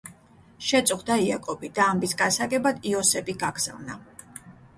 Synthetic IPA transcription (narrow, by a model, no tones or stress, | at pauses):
ʃɛt̪sʼuχd̪aiakʼɔbid̪aːmbisɡasaɡɛbad̪iɔsɛbiɡaɡz̥a̰vna